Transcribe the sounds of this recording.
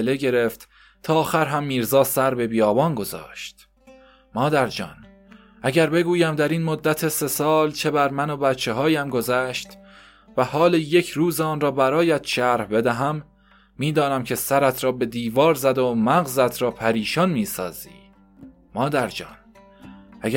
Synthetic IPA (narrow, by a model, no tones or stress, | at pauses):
eleɡe̞ɾe̞ft̪ | t̪ʰɒːxæɾɦæmːiːɾzɒːsæɾbe̞bijɒːbɒːnɡo̞zɒ̰ːʃt̪ | mɒːd̪æɾd͡ʒɒ̰ːn | ʔæɟæɾbe̞ɡuːjæmd̪æɾiːnmod̪ːæt̪ʰese̞sɒːlt͡ʃʰe̞bæɾmæno̞bæt̪t͡ʃʰːe̞ɦɒːjæmɡo̞zæʃt̪ | væhɒːleje̞cʰɾuːzeːnrɒːbæɾɒːjæt̪ʃæɾhbe̞d̪æɦæmː | iːd̪ɒːnæmcʰe̞sæɾæt̪ʰɾɒːbe̞d̪iːvɒːɾzæd̪omæɣzæt̪ʰɾɒːpʰæɾiːʃɒnmiːsɒ̰ːzḭː | mɒːd̪æɾd͡ʒɒ̰ːn | ʔæ